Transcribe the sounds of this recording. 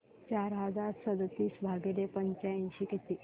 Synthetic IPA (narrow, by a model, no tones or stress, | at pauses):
t͡ɕaɾɦəd͡zaɾsəd̪t̪iːsbʱaɡelepəɲt͡ɕaĩnɕikit̪i